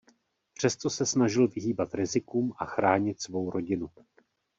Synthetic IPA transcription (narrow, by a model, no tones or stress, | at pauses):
pr̝̥ɛst̪o̞sɛsnaʒɪlvɪɦiːbat̪ɾɪzɪkuːmʔaxɾaːɲɪt̪svo̞wɾo̞ɟɪnu